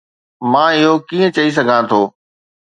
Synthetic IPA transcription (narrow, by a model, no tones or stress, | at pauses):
mãːɪɦokiːə̃t͡ɕɐis̬ɐɡʱãt̪ʰoː